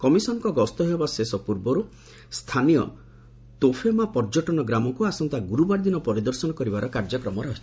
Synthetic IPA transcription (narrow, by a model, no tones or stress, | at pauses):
kɔmisɔnɔkɔɡɔst̪ɔɦebasesɔpuɾbɔɾu | st̪ʰanijɔ̰ | t̪opʰemapɔɾd͡ʒɔʈɔnɔɡɾamɔkuasɔnt̪aɡuɾubaɾd̪inɔpɔɾid̪ɔɾsɔnɔkɔɾibaɾʔɔkaɾd͡ʒɔkɾɔmɔɾɔɦit͡ʃʰi